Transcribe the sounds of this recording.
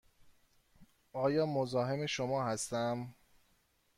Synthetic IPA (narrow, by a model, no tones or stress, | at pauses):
ʔɒːjɒːmozɒːɦe̞meʃomɒːhæst̪æm